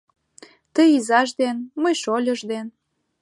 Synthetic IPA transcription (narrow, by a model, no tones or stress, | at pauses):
t̪əjizɑʃd̪enməjʃolʲəʒd̪en